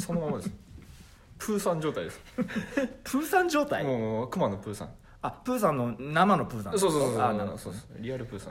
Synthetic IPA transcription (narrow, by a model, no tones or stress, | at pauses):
sonomamad̪es | pʰɯːsãɲ̟d͡ʑo̞ːt̪aid̪es | pʰɯ̟ːsãɲ̟d͡ʑo̞ːt̪aimokɯ̟manopɯ̟ːsã̰ŋ | apɯ̟ːsãnːo̞namano̞pɯ̟ːsãsoːsososanasoːd̪esɾʲiaɾɯ̟pɯ̟ːsã